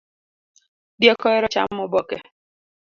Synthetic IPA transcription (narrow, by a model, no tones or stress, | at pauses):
djɛkɔɛɾɔt͡ʃa̰mːɔbɔkɛ